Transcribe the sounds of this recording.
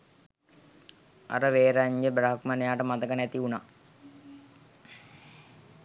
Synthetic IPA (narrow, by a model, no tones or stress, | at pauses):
a̰ɾəʋeːɾaɲɡebɾaɦəkmanejaːʈəmat̪əkənæt̪iuna